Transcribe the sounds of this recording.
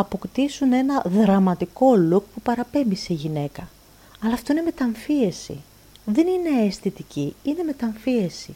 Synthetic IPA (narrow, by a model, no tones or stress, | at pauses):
ɐpo̞kt̪isune̞nɐðɾɐmɐt̪iko̞luk̚pupɐɾɐpe̞mbise̞iʝine̞kɐ | ɐlɐːft̪o̞ine̞me̞t̪ɐɱfie̞sḭ | ðe̞nine̞ːsθit̪iciine̞me̞t̪ɐɱfie̞sḭ